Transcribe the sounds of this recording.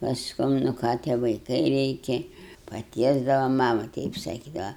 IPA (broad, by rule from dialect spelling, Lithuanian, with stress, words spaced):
pɐsˈkʊm nʊ ˈkɑː tʲiɛ ʋɐɪˈkɐɪ ˈrʲɛɪkʲɛ pɐˈtʲiɛzdɐʋɐ ˈmɑːmɐ ˈtʲɛɪp sɐˈkʲiːdɐʋɐ